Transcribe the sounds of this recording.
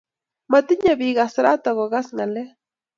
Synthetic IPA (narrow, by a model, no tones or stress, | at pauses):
mat̪iɲaβiɣasɾat̪aɣoɣasŋale